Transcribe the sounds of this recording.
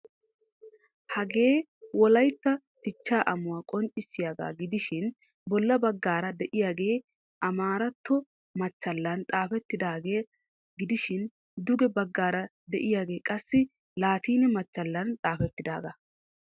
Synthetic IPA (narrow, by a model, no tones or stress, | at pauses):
hɐɡe̞ː | wɔlɐjt̪ːɐ | t̪ɪt͡ʃːaːʔɐmʊwaːkʼɔnt͡ʃʼɪsːɪjaːɡa̰ːɡɪd̪ɪʃɪn | bɔlːɐbɐɡːaːɾɐd̪ɛʔɪjaːɡe̞ː | ʔɐmaːɾɐt̪ːɔ | mɐt͡ʃːɐlːɐnt̪ʼaːfɛt̪ːɪd̪aːɡeː | ɡɪd̪ɪʃɪn | d̪ʊɡɛbɐɡːaːɾɐ | d̪ɛʔɪjaːɡe̞ːkʼɐsːɪ | laːt̪iːnɛmɐt͡ʃːɐlːɐnt̪ʼaːfɛt̪ːɪd̪aːɡɐ